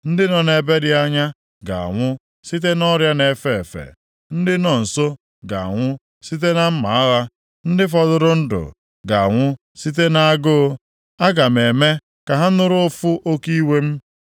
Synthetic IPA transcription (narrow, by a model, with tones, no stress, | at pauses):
n̩˦dɪ˦nɔ˨ne˨be˦dɪ˦a˦ɲa˦ | ɡa̰˨a̰˨ŋʷʊ˦ | si˦t̬e˦nɔ˦ɾja˦ne˨fe˨e˨fḛ˨ | n̩˦dɪ˦nɔ˨n̩˨so˦ | ɡa̰˨ŋʷʊ˦ | si˦t̬e˦na˦m̩˦ma̰˨a˦ɣa˦ | n̩˦dɪ˦fɔ˨dʊ˦ɾʊ˦n̩˦dʊ̰˨ | ɡa˨a̰˨ŋʷʊ˦ | si˦t̬e˦na˦a˦ɡʊ˦ | a˦ɡa˨m̩˨e˨me˦ | ka˨ɦa˦nʊ˦ɾʊ˦fʊ˦ʔo˦ki˦we˦m̩˦